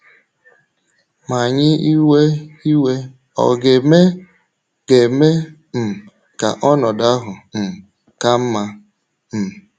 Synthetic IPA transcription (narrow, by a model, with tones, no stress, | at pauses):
ma˨ɲɪ˦i˦we˦i˦we˦ | ɔ̰˨ɡe˨me˦ | ɡ̥e˨me˦ | m̩˨ | ka̰˨ʔɔ˦nɔ˨da˦ɦʊ˨m̩˨ | ka˦m̩˦ma˦ | m̩˨